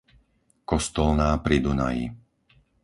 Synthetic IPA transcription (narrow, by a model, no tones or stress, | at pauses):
kɔst̪ɔlnaːpɾid̪una̰jḭ